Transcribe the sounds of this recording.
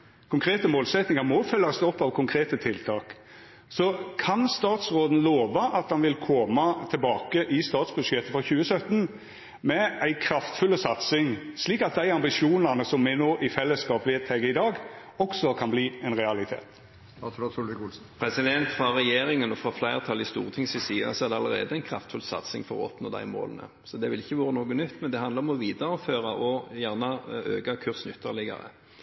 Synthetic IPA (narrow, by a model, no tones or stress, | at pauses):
kʰʊŋkʰɾeːt̪əmoːlsɛt̪nɪŋɑmɔfœlːɑsd̪ɔpːɑʋkʰʊŋkʰɾeːt̪ət̪ʰɪlt̪ʰɑːk | sɔkʰɑnst̪ɑːt̪sɾoːd̪n̩loːʋɑʔɑt̪̚d̪ɑnʋɪlkʰɔmɑt̪ʰɛlbɑːkəʔɪst̪ɑːt̪sbʉʂjɛt̪ːəfɔçʉːəsœt̪n | mɛæɪkʰɾɑft̪fʉlːəsɑt̪sɪŋsliːkɑt̪̚d̪æɪɑmbɪʂuːnɑnəsɔmːɛnoːʔɪfɛlːəskɑːpʋeːd̪̚t̪ʰɛɪɡəɪd̪ɑːɡ | ɔksɔkʰɑnbliːɛnɾɛɑlɪt̪ʰḛːt̪ | ɑt̪ʰɾot̪ʰulɪɡʊls̩ | pʰɾɛsɪd̪ɛnt̪fʁɑʁɛjeːɾɪŋənɔfɾɑflæɪʁət̪ʰɑlːɪst̪uːʁət̪ʰɪŋsɪsiːəsɔɛʁd̪ɛɑləɾḛːd̪əæɪnkʰɾɑft̪fʉlsɑ̰t̪sɪ̰ŋfɔʁɔ̰ɔpno̰ːd̪æ̰ɪmo̰ːlənə̰ | sɔd̪ɛʋɪlɪçːəʋoːɾənoːɡənʏt̪ːmɛnd̪ɛɑnd̪əʁɔmɔʋiːd̪əɾɔføːʁɑʔɔjæʁnɑø̰ːɡɑkʰʉʁsnʏt̪ʰːəʁlɪɡɑ̰ʁə̰